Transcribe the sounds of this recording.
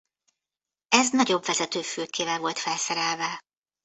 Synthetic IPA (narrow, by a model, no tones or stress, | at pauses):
ɛznɒɟo̞bvɛzɛt̪øːføːkʰeːvɛlvo̞lt̪fɛlsɛɾɛlvɛ